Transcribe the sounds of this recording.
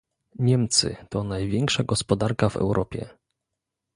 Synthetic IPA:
ɲɛmt̪sɘ̰t̪ɔnajvʲjɛŋkʂaɡɔspɔd̪aɾkavɛ̰wɾʔɔpʲjɛ̰

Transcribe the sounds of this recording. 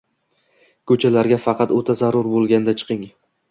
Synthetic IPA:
kʰɵt͡ʃʰalaɾɡʲafɑqɑt̪ot̪ʰazaɾʊɾbolˠɡʲanɪd̪at͡ʃʰɨ̥qʰɪŋ

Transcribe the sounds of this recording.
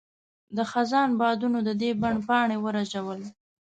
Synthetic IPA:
d̪əxazɑnbɑd̪unod̪əd̪ebaɳpɑɳewəɾad͡ʒawəl

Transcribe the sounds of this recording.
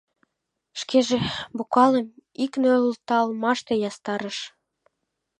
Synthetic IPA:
ʃkeʒebukɑləmiknølult̪ɑlmɑʃt̪ejɑst̪ɑɾəʃ

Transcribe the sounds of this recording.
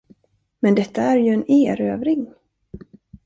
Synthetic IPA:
mɛnd̪ɛt̪ːaæɾjɵɛneːɾøːvɾɪŋ

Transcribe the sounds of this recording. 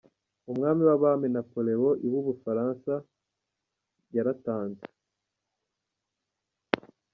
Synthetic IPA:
umŋaːmiwaβamenapole̞woʔiwuβufaɾansa | jaɾataːnze̥

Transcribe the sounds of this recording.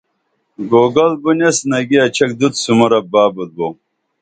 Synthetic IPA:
ɡoːɡɐlbunesnɐɡiɐt͡ɕʰɐk̚d̪ut̪sumɐɾɐbaːbud̪̚bo

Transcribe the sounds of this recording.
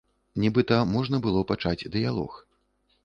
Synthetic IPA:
nʲɛbɨt̪ɐmɔʐnɐbɨlˠɔpat͡ʂad͡zʲd̪ɨjalˠɔ̰x

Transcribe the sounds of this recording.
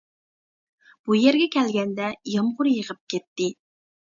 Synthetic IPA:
b̥ujeɾɡʲɛkʲʰɛlɡʲɛnd̪ɛjɑmʁʊɾjəʁəp̚kʲɛt̪ːɪ

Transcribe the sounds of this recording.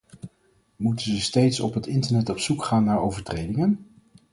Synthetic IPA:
mutənzəstejtsɔ̰pɦətɪntəɹnɛtɔpsukχaːnːaːɹowvəɹtrejdɪŋən

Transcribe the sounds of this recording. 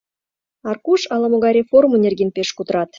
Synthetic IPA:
ɑrkuʃɑləmoɣɑjɾʲeformunʲerɡʲinpeʃkut̪ɾɑt̪

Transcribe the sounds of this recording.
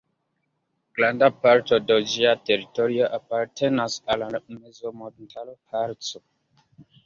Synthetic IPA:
ɡ̥landapaɾtodod͡ʒiateɾitoɾioʔapaɾtenasalamezomontʰalopʰaɾto

